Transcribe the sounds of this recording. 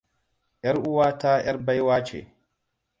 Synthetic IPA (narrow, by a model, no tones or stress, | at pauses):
ʔɛɾuwaːtaːʔɛɾbajwaːt͡ʃɛ̰